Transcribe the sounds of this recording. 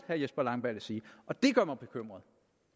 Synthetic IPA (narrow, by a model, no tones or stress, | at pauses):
hæɐjesb̥ɐlɑ̈ŋ̰b̥æ̰lesiːʔɒ̽d̥e̝ɡ̥ɶɐ̰mɑb̥e̝kʰøm̰ʁɐðˠ